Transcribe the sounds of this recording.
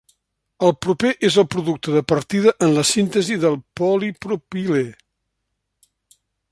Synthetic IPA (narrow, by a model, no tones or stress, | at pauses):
əlˠpɾupeʔezəlˠpɾuðuk̚t̪əðəpəɾt̪iðəʔənləsint̪əziðəlˠpɔlipɾupile